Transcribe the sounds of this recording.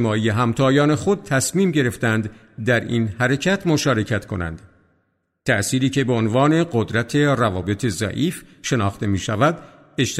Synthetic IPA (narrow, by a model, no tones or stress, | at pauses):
mɒːije̞ɦæmt̪ʰɒːjɒːne̞xo̞d̪̚t̪ʰæsmiːmɟe̞ɾe̞ft̪ænd̪ | d̪æɾḭnhæɾe̞cʰæt̪ʰmo̞ʃɒːɾe̞cʰæt̪kʰo̞̰næ̰nd̪̥ | t̪ʰæʔsiːɾiːcʰe̞beonvɒːne̞ɢod̪ɾæt̪ʰe̞rævɒːbe̞t̪ʰe̞zæ̰ʔiːfʃe̞nɒːxt̪e̞miːʃævæd̪ | e̞ʃt̪